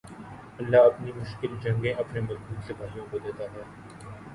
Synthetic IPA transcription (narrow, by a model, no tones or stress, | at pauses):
ɐlːaɐpnimʊʃkɪld͡ʒɐ̃ŋɡẽɐpnemɐɾkuːnsebʱaːijõkod̪eːt̪aɦɛː